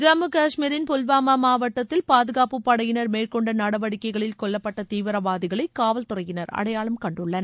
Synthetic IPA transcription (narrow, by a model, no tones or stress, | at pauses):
d͡ʒɐmɯkaːʂmiːɾɪnpʊlʋaːmamaːʋɐʈːɐt̪ːɪlpaːðɯɣaːpɯpːɐɽɐjɪnɐɾmeːrkɔɳɖɐnɐɽɐʋɐɽɪkːɐɪɣɐɭɪlkɔɭːɐpːɐʈːɐt̪iːʋɪɾɐʋaːðɪɣɐɭɐɪkːaːʋɐlt̪ʊrɐjɪnɐɾɐ̰ɽɐjaːɭɐmkɐɳɖɯɭːɐnɐ